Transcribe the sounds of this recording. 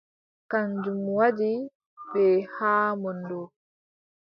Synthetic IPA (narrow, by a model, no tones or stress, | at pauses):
kaɲd͡ʒumwadi | bɛːhaːmɔndɔ